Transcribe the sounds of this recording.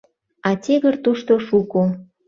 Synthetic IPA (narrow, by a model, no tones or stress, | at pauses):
ɑtʲeɣərt̪uʃt̪oʃuko